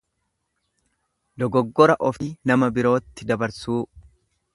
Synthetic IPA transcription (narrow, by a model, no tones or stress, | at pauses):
lɔɡɔɡːɔɾɐʔɔfinɐmɐbɪɾo̞ːt̪ːɪd̪ɐbɐɾsuː